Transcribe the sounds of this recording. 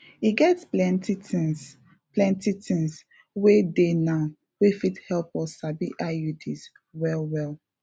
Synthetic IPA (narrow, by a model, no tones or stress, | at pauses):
iɡɛtsplɛ̃ntitĩŋs | plɛ̃ntitĩŋs | wedenaʊ | wefithɛlpɔsabiʔajutʰis | wɛlˠwɛlˠ